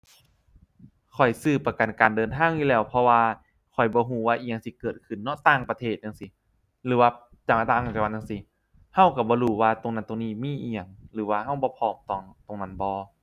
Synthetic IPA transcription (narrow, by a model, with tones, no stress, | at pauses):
kʰɔ˨˩jsɯː˧˩pa˧ka˨˩nkaː˨˩ndɤː˨nt̪ʰaː˧˥˩ŋjuː˧lɛː˧˩wpʰɔ˧waː˧ | kʰɔ˨˩jbɔː˧˦ɦuː˧˩˦waː˧ʔiː˧˩ɲa˧ŋsi˧˦kɤː˨˩t̪̚kʰɯ˧˩nːɔ˦˧˥t̪aː˧˩˨ŋpa˧t̪ʰeː˧˩t̪̚ja˧ŋsi˧˦ | lɯː˨˦waː˧ | t͡ɕaː˧˩mʔa˧t̪aː˧˨a˧˩a˧wa˧˨ja˧ŋsi˧˦ | ha˧˥˩wka˧˩bɔː˧˦ɾuː˧˩waː˧t̪o˨ŋna˧˩nt̪o˨ŋniː˧˥˩miː˧˥˨ʔiː˧ɲa˧˩ŋlɯː˨˦waː˧ha˧˩wbɔː˧˦pʰɔː˧˩mt̪ɔː˧˩ŋt̪o˨ŋna˧˩˨nbɔː˧˦